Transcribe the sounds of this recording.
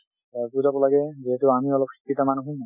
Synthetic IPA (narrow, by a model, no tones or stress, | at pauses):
apuzabɔlaɡɛziɦetʊamiɔlɔp̚xʰi̥kːitamanuɦũ